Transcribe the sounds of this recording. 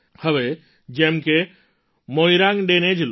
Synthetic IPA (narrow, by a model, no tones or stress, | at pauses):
həʋe | d͡ʒeɦmke | moːiɾãŋɖeːned͡ʒl